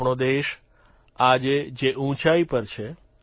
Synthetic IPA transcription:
ɳod̪eʃ | ad͡ʒed͡ʒeʔũt͡ʃaipəɾt͡ʃʰe

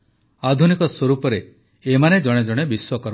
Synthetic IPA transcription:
ad̪ʱunikɔswɔɾupɔɾeː | maned͡ʒɔɽ̃ed͡ʒɔɽ̃ebiswɔkɔɾ

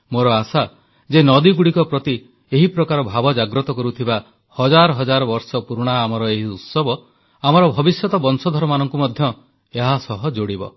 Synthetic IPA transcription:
moɾɔasa | d͡ʒenɔd̪iɡuɽikɔpɾɔt̪i | eɦipɾɔkaɾɔbʱabɔd͡ʒaɡɾɔt̪ɔkɔɾut̪ʰiba | hɔd͡ʒaɾɔɦɔd͡ʒaɾɔbɔɾsɔpuɾuɽ̃aːmɔɾɔeɦiut̪sɔbɔ | amɔɾɔbʱɔbisjɔt̪ɔbɔnsɔd̪ʱɔɾɔmanɔŋkumɔd̪ʱjɔ | eɦasɔɦɔd͡ʒoɽibɔ̰

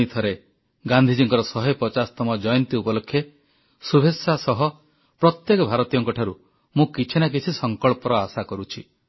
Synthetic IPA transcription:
it̪ʰɔɾe | ɡand̪ʱid͡ʒiŋkɔɾɔsɔɦɔjpɔt͡ʃast̪ɔmɔd͡ʒɔjɔnt̪iupɔlokʰje | subʱesːasɔɦɔ | pɾɔt̪jekɔbʱaɾɔt̪ijɔŋkɔʈʰaɾu | mũkit͡ʃʰinak̬it͡ʃʰisɔŋkɔɭpɔɾɔasakɔɾut͡ʃʰi

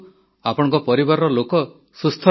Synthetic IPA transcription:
apɔɽ̃ɔŋkɔpɔɾibaɾɔɾɔlokɔ | sust̪ʰɔ

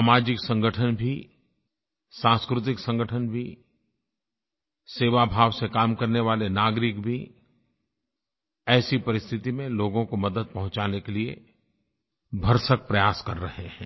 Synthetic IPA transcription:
saːmaːd͡ʒɪksɐ̃ŋɡʱəʈʰənbʱi | sãːnskɾʊt̪̬ɪksɐ̃ŋɡəʈʰənbʱi | seːʋabʱaːʋsekaːmkɐɾneʋaːlenaːɡɾɪkbʱi | ɛːsipɐɾɪst̪ʰɪt̪imẽloːɡõkomɐd̪əd̪̚pɐɦʊ̃t͡ʃaːnekeliḛ | bʱɐɾsək̚pɾɐjaːskɐɾːɐɦeɦɛ̃ː

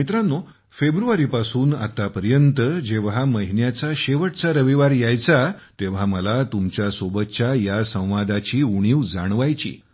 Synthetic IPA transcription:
mit̪ɾanːo | febɾuʋaɾiːpasuːna̰t̪apəɾjənt̪əd͡ʑeʋɦaməɦinjat͡saɕeʋəʈt͡saɾəʋiʋaɾjajt͡sat̪eʋ̤aməlat̪umt͡ɕjasobət̪t͡ɕajasə̃w̃ʋad̪at͡ɕiːuɽ̃iːʋd͡zaɽ̃ʋajt͡ɕḭː

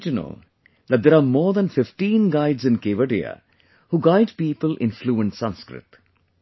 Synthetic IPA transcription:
d͡ʒɪnə̰l | d̪æʈ̚d̪eːɾaːmɔːɾd̪æ̃nfɪfʈĩːnɡaɪɖzɪ̃nkeːʋəɖia̰ | huːɡaɪɖpiːpəlʔɪ̰̃nfluːə̃ɳʈsʌ̃nskɾɪ̰t̪

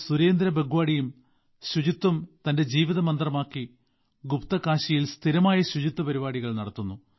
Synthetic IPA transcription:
suɾe̞ːnd̪ɾɐbeɡuʋaːɽijum | ɕud͡ʑit̪ːumt̪ɐnde̞d͡ʑiːʋiðɐmɐnd̪rɐmaːkːi | ɡupt̪ɐkaːɕijilst̪ʰiɾɐmaːjɐɕud͡ʑit̪ːɐpɐɾibaːɽiɣɐɭnɐɽɐt̪ːunːu

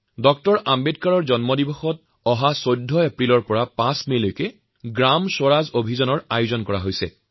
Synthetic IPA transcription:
dɔk̚tɔɹʔambedkaɹɔɹzɔnmɔdibɔxɔt | ɔɦasojdʱːɔepɹilɔɹpɔɹapãsmelojkɛ | ɡɹamsoɹazobʱizɔnɔɹajʊzɔnkɔɹaɦojsɛ̰

